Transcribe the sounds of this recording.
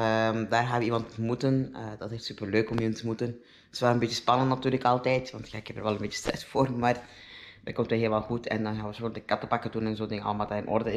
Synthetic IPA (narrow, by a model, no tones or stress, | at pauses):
əmdaːrɣaːnʋəimɑntəmutənədɑtɦeftsypərløːkɔmimɑntəmutən | ɪ̥sʋɛlənbetjəspɑnəntnatyːrləkɑlˠtɛjtʋɑntjaɪkhɛpərʋɛlənbeːt͡ʃəstrɛsfoːrmaːr | dɛ̰kɔmtʋəɦiːlʋɑlˠxutʰɛ̰ndɑnxaːnʋəsondəkɑtəpɑkətunɛnzoːndɪŋəɑ̰ləmaːtaːɪnʔɔ̰rdə